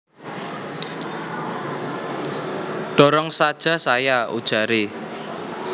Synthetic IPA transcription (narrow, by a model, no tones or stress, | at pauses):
ɖ̥ɔ̤ɾɔŋsad̥ʒ̥a̤sajaṵd̥ʒ̥a̤ɾe